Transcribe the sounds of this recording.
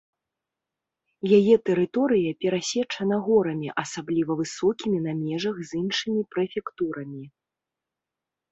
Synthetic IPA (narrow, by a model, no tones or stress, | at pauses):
jajɛt̪ɛɾɨt̪ɔɾɨjɐpʲɛɾasʲɛt͡ʂɐnɐɣɔɾɐmʲiʔɐsablʲivɐvɨsɔkʲimʲinamʲɛʐɐɣzɨnʂɨmʲipɾɨfʲɛkt̪uɾɐmʲi